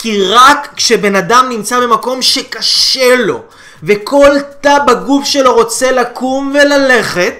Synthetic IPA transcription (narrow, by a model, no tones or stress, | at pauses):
kiʁakːʃe̞be̞nadamnimt͡sabe̞mako̞mʃe̞kaʃelo̞̰ | ve̞kʰo̞lt̪abaɡufʃelo̞ʁo̞t͡se̞lakumve̞lale̞χe̞t̪̚